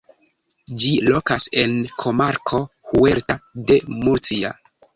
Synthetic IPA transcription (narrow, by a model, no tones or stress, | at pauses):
d͡ʒilo̞kase̞nkʰo̞maɾkʰo̞hueɾtade̞muɾt͡sia̰